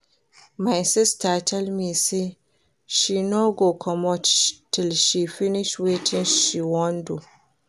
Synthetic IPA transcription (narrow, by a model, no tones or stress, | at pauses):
majsɪstatʰɛlmisi | ʃinoɡokʰɔmɔttilʃifiniʃwetʰĩnʃiwɔndu